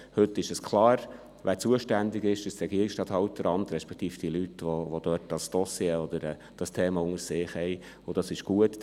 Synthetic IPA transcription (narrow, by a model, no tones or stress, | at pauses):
hɵt̪ːɪʃɛskʰlɑːɾ | ʋæːɾt͡suəʃtænd̪ɪɡɪʃd̥ɑst̪ɾɛɡiəɾɪksʃtɑːt̪hɑwt̪əɾɑnt̪ɾɛʃpɛkt̪iːfd̥iəlyt̪ʋoʋod̪œt̚d̥ɑsd̪̥ɔsjeɔd̪əɾɛː | d̥ɑstʰeːmɑʊŋəsɪːχhɛɪ | ʊd̥ɑsɪʃɡ̥uət